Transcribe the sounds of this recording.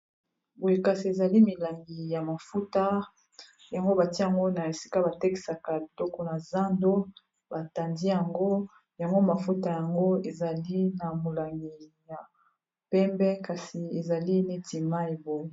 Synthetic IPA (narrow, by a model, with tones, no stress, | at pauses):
bo˨je˨ka˨si˨e˨za˨li˦mi˨la˨ŋɡi˨ja˨ma˨fu˦ta˦ | ja˨ŋɡo˦ba˨ti˦˨a˨ŋɡo˦na˨e˨si̥˦ka˦ba˨te˦ki̥˨sa˨ka˨bi˨dɔ˦kɔ˦na˨za˦ndo˦ | ba˨ta˨ndi˦ja˨ŋɡo˦ | ja˨ŋɡo˦ma˨fu˦ta˨ja˨ŋɡo˦e˨za˨li˦na˨mo˨la˨ŋɡi˨ja˨ | pɛ˦mbɛ˦ka˨si˨e˨za˨li˦ne˦ti˨ma˦e˨bo˨je˨